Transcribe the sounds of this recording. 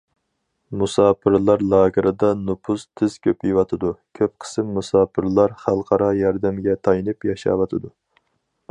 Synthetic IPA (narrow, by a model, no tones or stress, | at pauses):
musɑːpʰɨɾlˠɑɾlˠɑːɡəɾʔɨd̪ɑnupʰust̪ʰɪz̥kʲʰøpjiwɑt̪ʰɨd̪ukʲʰøp̚qʰə̥sɨmːusɑːpʰɨɾlˠɑɾχælˠqʰɑɾɑjɑɾd̪ɛmɡʲɛt̪ʰɑjinɨpjɑʃɑ̰wɑt̪ʰɨd̪u